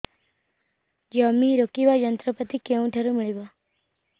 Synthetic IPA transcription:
d͡ʒamiɾokiʋajənt̪ɾəpət̪ikeũʈʰeɾumɪɭiba

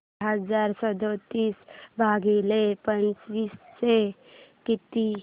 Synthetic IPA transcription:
ɦəd͡zaɾsəd̪ot̪iːsbʱaɡilepə̃nt͡ʃʋiːsːe | kit̪i

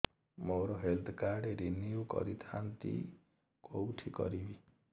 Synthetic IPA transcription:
moɾɔɦelt̪ʰkaɾɖeɾiniukɔ̰ɾit̪ʰant̪ḭ | kowʈʰikɔ̰ɾibi

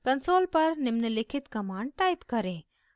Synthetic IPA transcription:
kɐnsoːlpɐɾnɪmnəlɪkʰɪt̪kɐmaːɳɖ̚ʈaːɪpkɐɾẽː

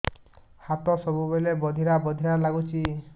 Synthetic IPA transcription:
hat̪ɔsɔbubelebɔd̪ʱiɾabɔd̪ʱiɾalaɡut͡ʃʰi

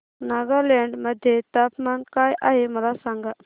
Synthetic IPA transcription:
naɡaɾleɳɖməd̪ʱːjet̪apmankajʔaɦeməlasãŋɡa

